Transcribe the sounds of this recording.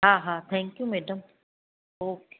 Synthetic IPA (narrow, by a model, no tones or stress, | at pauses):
ɦaːɦaːt̪ʰɛ̃ːŋkjumɛːɖəm | oːke